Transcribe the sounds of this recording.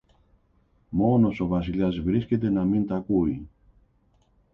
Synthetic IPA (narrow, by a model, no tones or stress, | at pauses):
monosoβasilasβɾisked̪enamint̪akuj